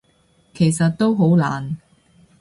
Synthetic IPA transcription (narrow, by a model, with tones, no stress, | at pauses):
kʰe˨˩jsɐ˨t̚t̪o˥wɦo˨˥wla̰ː˨˩n